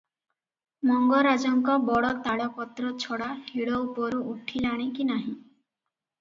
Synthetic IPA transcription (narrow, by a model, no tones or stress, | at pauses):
mɔŋɡɔɾad͡ʒɔŋkɔbɔɽɔt̪aɽɔpɔt̪ɾɔt͡ʃʰɔɽahiɽɔupɔɾuʔuʈʰilaɽ̃ekinaɦĩ